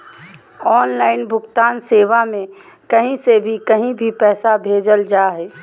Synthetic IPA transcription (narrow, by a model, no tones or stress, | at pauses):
ɔːnlaːɪnbʱʊɡt̪aːnseːʋamẽ | kɐɦĩsebʱikɐɦĩbʱipɛːsabʱeːd͡ʒəld͡ʒaːɦɛː